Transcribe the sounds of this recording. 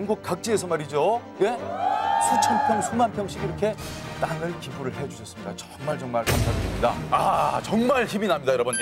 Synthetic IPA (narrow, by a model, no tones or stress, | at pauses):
ŋɡuk̚k͈ak̚t͡ɕ͈iesʰʌmaɾid͡ʑo | e̞sʰut͡ɕʰʌnpʰjʌŋsʰumanpʰjʌŋɕʰiɡiɾʌkʰe̞t͈aŋɯɭkibuɾɯɭɦe̞d͡ʑusʰʌs͈ɯmɲidat͡ɕʌ̥ŋmaɭt͡ɕʌŋmaɭkamtʰaɡɯdemɲidaat͡ɕʌŋmaɭçiminamɲidajɾʌbʌn